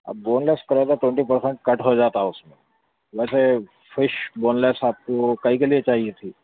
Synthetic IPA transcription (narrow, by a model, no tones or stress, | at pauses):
a̰bonleskəɾajt̪aʈweɳʈipəɾseɳʈ̚kəʈɦod͡zat̪ausmə | ʋəjse | fiɕbonlesap̚t̪okaɦikeliet͡ɕaɦiet̪ʰiː